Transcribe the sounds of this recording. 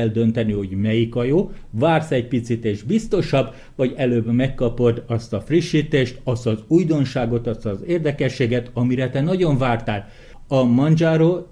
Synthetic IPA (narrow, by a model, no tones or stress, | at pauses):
ɛld̪ø̞nt̪ɛniho̞ɟmɛjikɒjoːvaːrsɛc̚pit̪sit̪eːʒbist̪o̞ʃɒb | vɒɟɛløːbmɛkːɒpo̞d̪ɒst̪ɒfriʃːiːt̪eːʃt̪ɒst̪ɒzujd̪o̞nʃaːɡo̞t̪ɒst̪ɒzeːrd̪ɛkɛʃːeːɡɛt̪ɒmiɾɛt̪ɛnɒɟo̞ɱvaːrt̪aːl | ɒmɒnd͡ʒaːɾoː